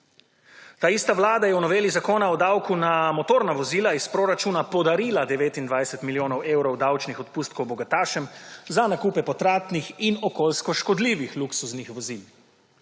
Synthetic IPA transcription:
t̪aːist̪aʋlaːd̪ajɛwnɔʋeːlizakoːnaɔd̪awkunamɔt̪oːɾnaʋɔziːlaispɾoːɾat͡ʃunapɔd̪aɾiːlad̪ɛʋeːt̪ind̪ʋajsɛt̪miljoːnɔweːwɾɔwd̪awt͡ʃnixɔt̪̚puːst̪̚kɔwbɔɡat̪aːʃɛmzanakuːpɛpɔt̪ɾaːt̪nixinɔkolskɔʃkɔd̪liːʋixluksuznixʋɔzil

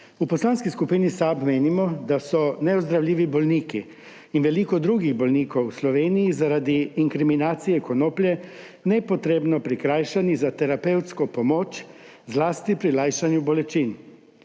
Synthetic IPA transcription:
upɔslaːnskiskupinisabmeːnimɔd̪asɔnɛɔzd̪ɾawlʲiːʋibɔlniːkiː | nʋɛliːkɔd̪ɾuːɡiɣbɔlniːkowuslɔʋeːnijizaɾad̪iːŋkɾiminaːt̪sijɛkɔnoːplʲjɛ | nɛpɔt̪ɾeːbnɔpɾikɾaːjʃanizat̪ɛɾapewt̪skɔpɔmoːt͡ʃ | zlaːst̪ipɾilaːjʃanjubɔlɛt͡ʃiːn

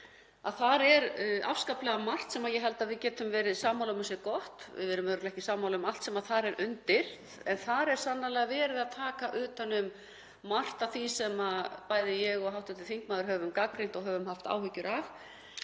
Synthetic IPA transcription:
a̰ðθaɾɛɾa̰fskaplɛɣamar̥t̪sɛmaðjɛɦɛlt̪aðvɪðcɛːt̪ʏmvɛːɾɪðsaːmawlʏmʏsɛɾkɔht̪vɪ̰ðvɛɾʏmœɾʏɾlɛhcɪsaːmawlʏmal̥t̪sɛmaðθaɾɛɾʔʏnt̪ɪɾ̥θ | ɛnθaɾɛɾ̥sanːalɛɣavɛːɾɪðaðt̪ʰaːkaʔʏːt̪anʏmː | ar̥t̪aθisɛmapaːjðɪjɛɣɔɣɦawht̪ɪht̪ɪθiŋkmaːðʏɾhœːvʏmkak̚pɾent̪ɔɣɦœːvʏmhaft̪a̰ːwhʏcːʏɾav

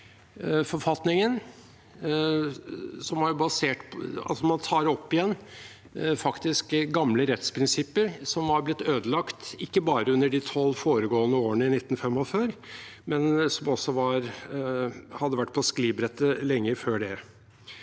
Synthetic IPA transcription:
fɔɾfɑt̪nɪŋən | sɔmæɾjʊbɑseːʈʰɑ̰lsɔmɑnt̪ʰɑːɾɔpːɪjɛnː | fɑkt̪ɪskɡɑmləɾɛt̪spʰɾɪnsɪpːəɾsɔmhɑɾblɪt̪ːøːd̪əlɑkt̪ɪkːəbɑːɾəʉnːəɖit̪ʰɔlːfoːɾəɡoːənəoːəɳəɪnɪt̪ːn̩fɛmːɔføːɾ | mɛnsɔmɔsːɔʋɑɾ | hɑd̪ːəʋæʈːpʰɔskliːbɾɛt̪ːəlɛŋːəføːɖɛ

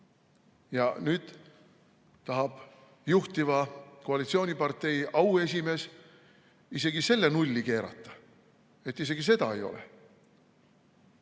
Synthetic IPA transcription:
jɑnyːd̪̥ | t̪ɑɦɑb̥ | juht̪ivɑko̞ɑlit̪sio̞ːnʲipɑrt̪ˑe̞jɑwe̞s̬ʲime̞ːs | ise̞ɡise̞lːe̞nulʲːike̞ːɾɑ̰t̪ːˑɑ̥ | e̞t̪ːˑis̬e̞ɡ̥is̬e̞d̪̥ɑ̰e̞jo̞̰lḛ

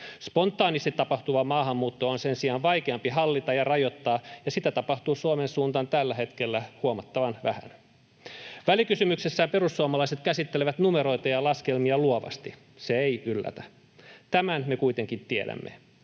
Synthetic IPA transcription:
spo̞nt̪ːˑɑːnist̪it̪ːɑpɑht̪uʋɑmɑːhɑmːuːt̪ːoonsensiɑːnʋɑjkeɑmpiɦɑlːit̪ɑjɑrɑjo̞t̪ːɑːjɑsit̪æt̪ɑpɑht̪uːsuomensuːnt̪ɑnt̪ælːæɦet̪kelːæhuomɑt̪ːɑʋɑnʋæhæ̰n | ʋælikysymyksesːæːmpe̞rusːuomɑlɑiset̪kæsit̪ːeleʋæt̪numeɾo̞jt̪ɑjɑlɑskelmiɑluoʋɑ̰st̪i | seeiylːæ̰t̪æ | t̪æmænmekuit̪eŋkint̪ieɾæ̰mːḛ

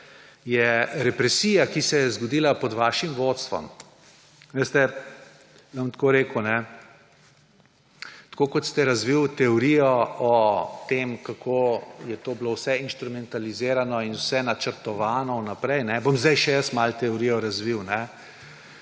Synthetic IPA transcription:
jɛɾɛpɾɛsiːjakisɛjɛzɡɔd̪iːlapɔd̪ʋaːʃimʋoːt̪st̪ʋɔ̰m | ʋest̪ɛ | ʋamt̪koɾeːkunɛ | t̪koːkɔt̪st̪ɛɾazʋiwt̪ɛɔɾijɔɔt̪eːmkakʰoːjɛt̪oːblowsɛinʃt̪ɾumɛnt̪alizeːɾanɔinwsɛnat͡ʃəɾt̪ɔʋaːnɔnapɾɛjnɛbomzd̪ajʃɛjəst̪malt̪ɛɔɾijɔɾazʋiwnɛ

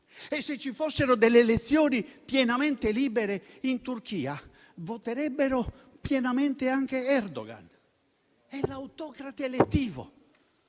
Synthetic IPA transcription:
esːet͡ʃːifosːeɾod̪elːeːlet̪sːjoːnipjɛnament̪eliːbeɾeint̪urk̟iːa | vot̪eɾɛbːeɾo | pjɛnament̪eaŋk̟eɛrd̪o̰ɡa̰n | ɛlawt̪ɔkɾat̪elet̪ːiːvo̰

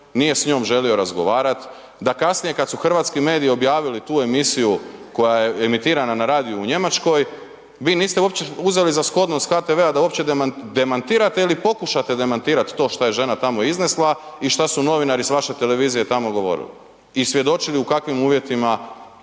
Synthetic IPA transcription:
nije̞sɲo̞ːmʒe̞lio̞ɾazɡo̞ʋaːɾat̪ | d̪akasnije̞kad̪suxr̩ʋaːt̪skime̞ːd̪ijio̞bjaːʋilit̪uːe̞misijuko̞jaje̞emit̪iːɾananaɾaːd̪ijuuɲe̞mat͡ʃko̞j | ʋiːniːst̪euopt͡ɕeuze̞lizasklo̞d̪nost̪xaːt̪eʋead̪auo̞pt͡ɕed̪d̪e̞mant̪iːɾat̪eilipo̞kuʃat̪e̞d̪e̞mant̪iːɾat̪ːo̞ːʃt̪aje̞ʒe̞nat̪amo̞izneslˠaiʃt̪asuno̞ʋinaɾisʋaʃe̞t̪e̞le̞ʋiːzije̞t̪amo̞ɡo̞ʋo̞̰ɾḭlḭ | isʋje̞d̪o̞t͡ʃiliukakʋimuːʋje̞t̪ima

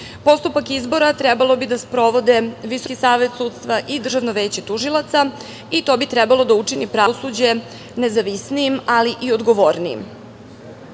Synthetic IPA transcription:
po̞st̪upakizbo̞ɾat̪ɾɛbalˠo̞bid̪aspɾo̞ʋo̞d̪eʋiso̞kisaːʋe̞t̪suːd̪st̪ʋaʔid̪r̩ʒaʋnoʋeːt͡ɕet̪uʒilˠat̪sa | it̪o̞ːbit̪ɾɛbalˠo̞d̪aut͡ʂinipɾaːosud͡ʑe̞ | nezaʋisniimaliʔiod̪ɡoʋoːɾniḭm

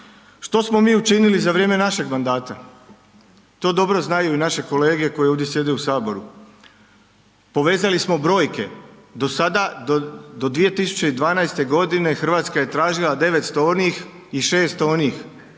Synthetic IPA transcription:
ʃt̪o̞smo̞miːut͡ʃinilizaʋɾjeːme̞naʃe̞ɡmand̪aːt̪a | t̪o̞ːd̪o̞bɾo̞znajuinaʃe̞ko̞le̞ːɡe̞ko̞jeoʋd̪jesje̞d̪eusaːbo̞ɾu | po̞ʋe̞ːzalismo̞bɾo̞ːjke̞ | d̪o̞sad̪ad̪o̞d̪ʋije̞t̪isu̥t͡ɕe̞id̪ʋaːnajst̪e̞ɡo̞d̪ine̞xr̩ʋaːt̪skaje̞t̪ɾaːʒilˠad̪e̞ʋet̪st̪oonix | iʃe̞ːst̪oniːx

